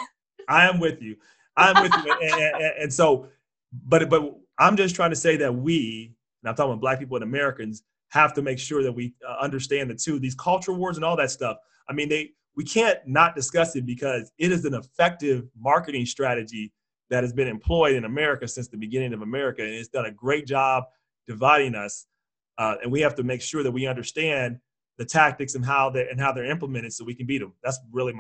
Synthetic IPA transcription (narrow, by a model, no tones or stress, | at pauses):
aɪɨ̃mwɪðjʉ | aɪɨ̃mwɪðjɨɨ̃ɨ̃ɨ̃ɨ̃nsoʊ | bʌɾ̚b̥ʌt̚ | ãɪ̃md͡ʒʌstʰɹ̥aɪɪ̃ŋtʰɨseɪðɨt̚wĩ | nãmtʰɔ̃blæk̚pʰipl̩ˠə̃nɨmɛɹɨkɨ̃nz̥ | hæftɨmeɪkʃʊɹðɨt̚wiʌʌ̃ndə˞stæ̃nðɨtʰʉðiz̥kʰʌlˠt͡ʃə˞l̩ˠwɔɹzə̃nɔlˠðɨtstʌf | aɪmĩnðeɪ | wikʰæ̃nːət̚d̥ɨskʌsɨt̚b̥ɨkʰʌzɪɾɨzɨ̃nəfɛk̚tɪvmɑɹkɨɾɪ̃ŋstɹ̥æɾɨd͡ʒi | ðɨt̚hɨzbɨ̃nɨ̃mpʰl̥ɔɪɾɨ̃nəmɛɹɨkɨsɪ̃nsðɨbɨɡɪ̃ñɪ̃ŋʌvəmɛɹɨkɨɨ̃nɨtsd̥ʌ̃nɨɡɹeɪt̚d̥ʒ̥ɑb̚ | d̥ɨvaɪɾɪ̃ŋʌs | ʌɨ̰̃nwihæftɨmeɪkʃʊɹðɨt̚wiʌ̃ndə˞stæ̃n | ðɨtʰæk̚tɨksɨ̃nɦaʊðə˞ʔɨ̃nɦaʊðə˞ɪ̃mpləmɛ̃ɾ̃ɨd̥soʊwikɨ̃nbiɾɨ̃mðætsɹɪlˠi